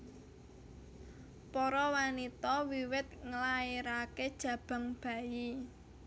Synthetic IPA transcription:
pɔɾɔwanit̪ɔwiwɪt̪̚ŋəlaeɾaked̥ʒ̥ä̤b̥a̤ŋb̥ä̤ji

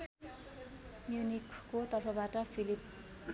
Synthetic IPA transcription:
mjunikːot̪ʌrpʰʌbaʈʌpʰilip

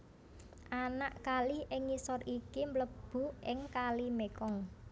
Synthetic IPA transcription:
ʔanaʔkalɪhɪŋːisɔrikimbləb̥ṳʔɪŋkalimekɔŋ

